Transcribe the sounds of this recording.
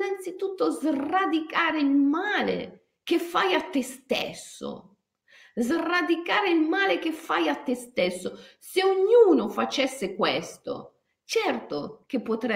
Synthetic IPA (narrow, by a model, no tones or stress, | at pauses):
nant̪sit̪ut̪ːozrad̪ikaːɾeilmaːlḛ | k̟efːajat̪ːɪst̪ɛ̰sːo̰ | zrad̪ikaːɾeilmaːlek̟efːajat̪ːest̪ɛsːoseoɲːuːnofat͡ʃɛsːekwɛst̪o̰ | t͡ʃɛrt̪ok̟epːot̪ɾɛ